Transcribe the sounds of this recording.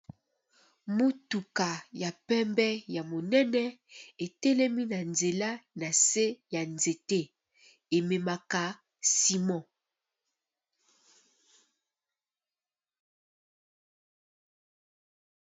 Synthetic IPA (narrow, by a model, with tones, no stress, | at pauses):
mo˦tu˨ka˨ja˨pɛ˦mbɛ˦ja˨mo˨nɛ˦nɛ˦e˨tɛ˦lɛ˦mi˦na˨nze˨la˦na˨se˦ja˨nze˨te˦ | e˨me˨ma˨ka˦ | si˦mɔ̃˦˨